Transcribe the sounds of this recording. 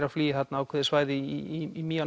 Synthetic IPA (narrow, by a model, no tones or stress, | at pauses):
ɾafliːɪθat̪naːwkʰɛːðɪsvaːjðɪiiimiːan